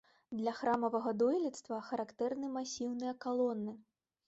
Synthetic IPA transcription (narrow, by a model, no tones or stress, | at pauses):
d̪lʲɐxɾamɐvɐɣɐd̪ɔjlʲit̪st̪vɐxɐɾakt̪ɛrnɨmasʲiwnɨjɐkalˠɔnːɨ